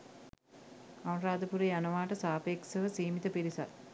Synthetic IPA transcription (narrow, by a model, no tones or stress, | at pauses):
awnraːd̪əpuɾejanɐʋaːʈəsaːpeːksəʋəsiːmit̪əpiɾisat